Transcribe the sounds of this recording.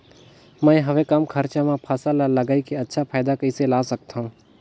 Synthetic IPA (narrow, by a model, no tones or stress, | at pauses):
mə̃ĩɦəʋekɐmkʰəɾt͡ʃamãpʰaːsalaləɡaːikeɐtːʃʰapʰaːɪd̪akəiselaːsək̚t̪ʰaɦũː